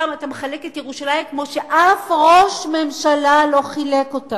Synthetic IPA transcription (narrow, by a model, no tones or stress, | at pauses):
amatameχaleketjeʁuʃalaimkmo̞ʃe̞ʔafʁo̞ʃme̞mʃalalo̞χilekota